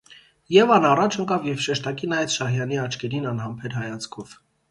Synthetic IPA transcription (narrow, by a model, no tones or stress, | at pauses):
jɛvɑnɑrɑt͡ʃʰəŋkɑvjɛvʃɛʃt̪ɑkinɑjɛt͡sʃɑɦjɑniɑt͡ʃʰkɛɾinɑnɦɑmpʰɛɾɦɑjɑt͡skʰɔv̥